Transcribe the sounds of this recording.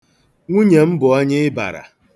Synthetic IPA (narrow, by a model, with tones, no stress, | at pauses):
ŋʷu˦ɲe˨m̩˦bʊ˨ɔ˦ɲɪ˦ɪ˦ba̰˨ɾa̰˨